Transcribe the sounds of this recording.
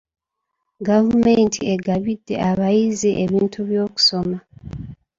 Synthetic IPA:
ɡavumentʰieɡaβidːe̞̰ʔaβajizeʔeβiːntʰuβjo̞ːku̥so̞ma

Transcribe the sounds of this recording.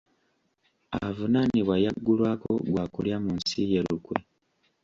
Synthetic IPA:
a̰vunaniβwajaɡːulwaːko̰ɡwaːkuljamunsijeɾukwḛ

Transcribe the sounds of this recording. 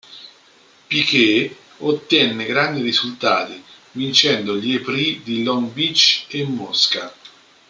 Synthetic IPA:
pike | ot̪ːjɛnːeɡɾand̪iɾizult̪a̰ːt̪i | vint͡ʃɛnd̪oʎepɾid̪ilɔnbit͡ʃːemːɔska

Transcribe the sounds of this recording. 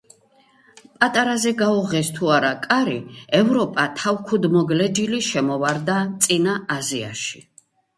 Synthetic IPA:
pʼat̪ʼaɾazɛɡauʁɛst̪ʰuaɾakʼaɾiɛvɾɔpʼat̪ʰawkʰud̪mɔɡlɛd͡ʒiliʃɛmɔvaɾd̪at̪sʼinaazia̰ʃi̥

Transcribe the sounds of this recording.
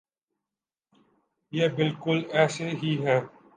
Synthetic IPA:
jeːbɪlkʊlɛːseɦiɦɛ̃ː

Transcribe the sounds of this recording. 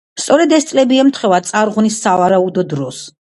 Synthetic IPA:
st̪sʼɔɾɛd̪ɛst̪sʼlɛbiɛmt̪ʰχɛvat̪sʼaɾʁunisːavaɾaud̪ɔd̪ɾɔs

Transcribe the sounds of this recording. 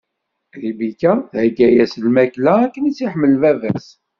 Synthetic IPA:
ðibikæhəɡæjæslmæklæːkːənit͡sːiħmːəlvævæs

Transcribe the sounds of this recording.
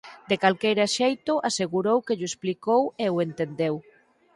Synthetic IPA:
d̪ekalkejɾaʃejt̪ʊʔaseɣuɾowkeʎʊesplikoweʊent̪end̪ew

